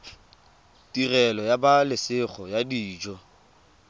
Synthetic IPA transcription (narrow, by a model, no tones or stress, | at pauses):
tirɛlɔjabalɪsɪχɔjadiːd͡ʒɔ